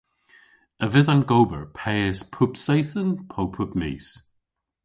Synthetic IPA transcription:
əvɪðanɡowbə̰ɹpʰɛːəspʰʊpsejθənpʰowpʰʊpmḭːs

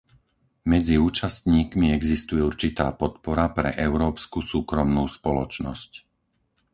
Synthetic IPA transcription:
mɛd͡ziuːt͡ʃast̪ɲiːkmiɛɡzist̪ujɛuɾt͡ʃit̪a̰ːpɔt̪̚pɔɾapɾɛ̰ʔɛʊɾɔːpskusuːkɾɔmnuːspɔlɔt͡ʃnɔ̰sc

